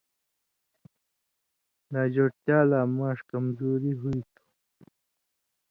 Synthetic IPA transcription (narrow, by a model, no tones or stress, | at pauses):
naːd͡ʑoʈt̪jaːlaːmaːʂkɐmzoːɾiɦuit̪ʰu̥